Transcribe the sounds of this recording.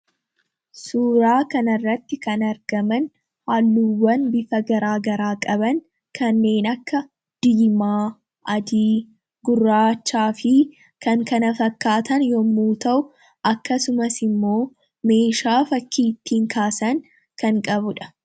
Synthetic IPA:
suːɾaːkɐnɐrːɐt̪ːɪkɐnɐɾɡɐmɐn | haːlːuːwɐnbɪfɐɡɐɾaːɡɐɾaːkʼɐbɐŋ | kʰɐnːe̞ːnɐkːɐ | d̪̥ɪːmaː | ʔɐd̪iː | ɡʊrːaːt͡ʃːaːfɪ | kɐŋkɐnɐfɐkːaːt̪ɐnjɔmːuːt̪ɐʔʊ | ʔɐkːɐsʊmɐsɪmːo̞ː | me̞ːʃaːfɐkʰːiːt̪ːiːŋkʰaːsɐn | kɐŋkʼɐbʊᶑɐ̥

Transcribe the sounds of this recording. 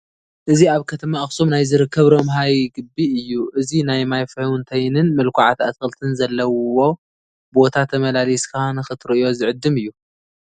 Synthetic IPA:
ʔɨziaβkʰɐt̪ʰɐmaɨxsomnajzɨɾɨkʰːɐβɾo̞mɦajɡɨbiɨjːuʔɨzinajmajfɐwnt̪ʰɐjnɨnmɨlkʷuʕat̪at̪kʰɐlt̪ʰɨnzɐlːɐwwo̞ | bo̞t̪ʰat̪ʰːɐmɐlaliskʰanɨxɨt̪ʰɾɨʔjo̞zɨʕɨd̪ːɨmɨjːu

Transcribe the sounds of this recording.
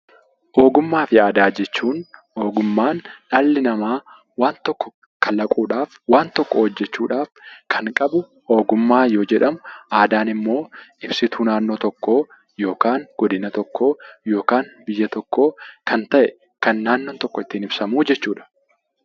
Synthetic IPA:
ʔo̞ːɡʊmːaːfɪaːd̪aːd͡ʒɛt͡ʃːuːnʔo̞ːɡʊmːaːnᶑaːlːɪnɐmaː | waːnt̪ɔkːɔ̥ | kʰɐlɐkʼuːᶑaːfwaːnt̪ɔkːɔhɔd͡ʒːɛt͡ʃːuːᶑaːfkʰɐŋkʼɐbʊ | o̞ːɡʊmːaːjoːd͡ʒɛᶑɐmʊaːd̪aːnɪmːo̞ːɪbsɪt̪ʰuːnaːnːo̞ːt̪ɔkːo̞ː | jo̞ːkaːŋɡ̥ɔd̪ɪnɐt̪ɔkʰːoːjo̞ːkaːnbɪjːɐt̪ɔkːoːkʰɐnt̪ɐʔɛ | kɐnːaːnːoːt̪ɔkːɔɪt̪ːiːnɪbsɐmuːd͡ʒɛt͡ʃːuːᶑɐ̥

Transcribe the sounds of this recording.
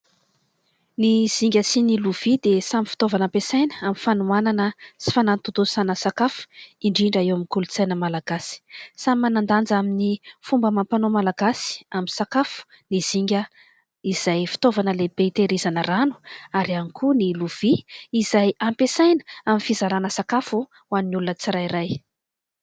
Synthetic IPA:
niz̥iŋɡʲəsiniluv̥id̪esamifi̥t̪ovanampesajnəamifanuananəsi̥fanant̪ut̪usanəsakafu̥iɳɖ͡ʐiɳɖ͡ʐaewamikulut͡sajnəmalaɡ̥asi̥samimanand̪and͡zaminifumbəmampanomalaɡasi̥aminsakafu̥ | niz̥iŋɡʲə | iz̥ajfi̥t̪ovanəleb̥eit̪eɾizanəranu̥aɾianikʰuniluv̥iːzajampesajnə̥aminfizaɾanəsakafu | wannulunət͡siɾajiɾaj

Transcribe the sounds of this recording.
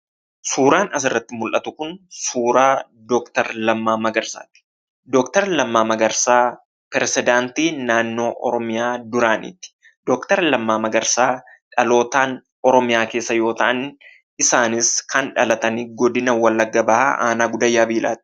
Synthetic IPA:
suːɾaːnɐs̬ɪrːɐt̪ːɪmʊlʔɐt̪ʊkʊnsuːɾaː | d̪ɔkt̪ɐɾlɐmːaːmɐɡɐɾsa̰ːt̪ɪ̥ | d̪ɔkt̪ɐɾlɐmːaːmɐɡɐɾsaː | pɛɾɛsɪd̪aːnt̪iːnaːnːo̞ːʔɔ̰ɾɔmɪjaːd̪ʊɾaːnɪ̰t̪ːɪ̥ | d̪̥ɔkt̪ɐɾlɐmːaːmɐɡɐɾsaː | ᶑɐlo̞ːt̪aːn | ɔɾɔmɪjaːke̞ːsːɐjo̞ːt̪ɐʔɐn | ɪsaːnɪskɐnᶑɐlɐt̪ɐnɪɡɔd̪ɪnɐwɐlːɐɡːɐbɐha̰ʔa̰ːnaːɡʊd̪ɐjːaːbiːlʔa̰ːt̪̚ɪ̥

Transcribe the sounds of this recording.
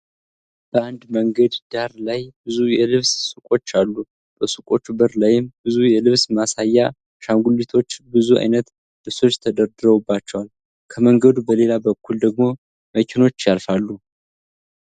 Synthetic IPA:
b̥əand̪məŋɡəd̪d̪aɾlajbɨzujɛlɨβssukʼo̞t͡ʃːalːu | b̥əsɨkʼo̞t͡ʃːubəɾlajɪmbɨzujɛlɨβsmasajːa | ʃaŋɡulːit̪ʰo̞t͡ʃːbɨzua̰jnət̪ | lɨβso̞t͡ʃːt̪ʰəd̪əɾd̪ɨɾəubːat͡ʃːəwal | kʰəməŋɡəd̪ubəle̞labəkːuld̪əɡ̚mo̞ | məkʲʰeno̞t͡ʃːjalfalːu

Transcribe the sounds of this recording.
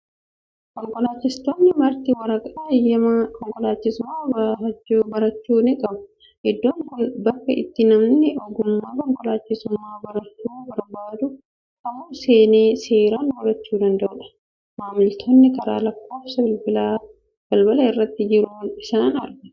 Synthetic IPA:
kɔŋkʼɔlaːt͡ʃːɪst̪oːnːɪmɐɾt̪ɪwɐɾɐkʼɐᶑɐjɐkɔŋkʼɔlaːt͡ʃːɪsʊmaːbɐɐbɐɾɐt͡ʃːuːnɪkʼɐbʊ̥ | hɪd̪ːoːnbɐkːɐɪt̪ːɪnɐmnɪɔɡʊmːaːkɔŋkʼɔlaːt͡ʃːɪsʊmːaːbɐɾɐt͡ʃːubɐɾbaːd̪ʊ | tɐmuːseːneːseːɾaːnbɐɾɐt͡ʃːuːd̪ɐnd̪ɐʔʊᶑɐ̥ | maːmɪlt̪ʰonːɪkɐɾa̰ːlɐkːo̞ːfsɐbɪlbɪlaː | b̥ɐlbɐlɐɪrːɐt̪ːɪd͡ʒɪɾuːnɪsaːnɐ̰ɾɡɐ

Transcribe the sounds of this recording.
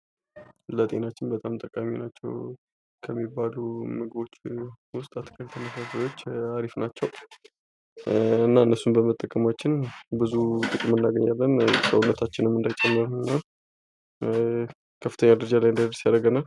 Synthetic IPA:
lət̪ʼe̞nat͡ʃːɪnbət̪ʼamt̪ʼəkʼaminat͡ʃːɛ̰w | kʰəmːibːalumɨɡɨbo̞t͡ʃːwʊst̪ʼat̪kʰəlt̪ʰənəsasajo̞t͡ʃːaɾifnat͡ʃːɛw | ɨnːaɨnːəsːumbəmət̪ʼːəkʼːəmat͡ʃːɪnbɨzut̪ʼɨkʼɨmːɨnːaɡəɲːalːənsəwunːət̪ʰat͡ʃːɪnəmːɨnd̪ajt͡ʃʼɛmːɨɾnɨnːa | kʰəfːɨt̪ʰəɲːad̪ɨɾəd͡ʒalajɨnd̪ad̪ɾsjaɾəɡənal

